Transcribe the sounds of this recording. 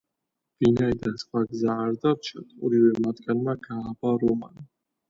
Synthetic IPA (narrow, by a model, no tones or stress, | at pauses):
vinaid̪ansχwaɡzaːɾd̪avt͡ʃʰat̪ʰɔ̰ɾivɛmat̪ʰɡanmaɡaːbaɾɔma̰ni